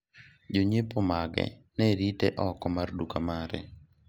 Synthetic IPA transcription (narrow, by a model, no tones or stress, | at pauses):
d͡ʒoɲepomaɡɛ̰ | nɛɾitɛʔɔkɔmardukamaɾɛ̰